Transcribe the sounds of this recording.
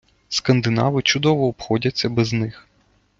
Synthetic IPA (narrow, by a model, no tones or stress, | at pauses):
skɐnd̪ɪnɑ̰ʋɪt͡ʃʊd̪ɔʋɔːpxɔdʲɐt͡sʲːɐbɛznɪx